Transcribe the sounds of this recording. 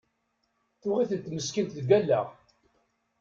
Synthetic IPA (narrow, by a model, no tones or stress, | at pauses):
θʊʁiθət̪ːməskint̪ðɡælːæ̰ʁ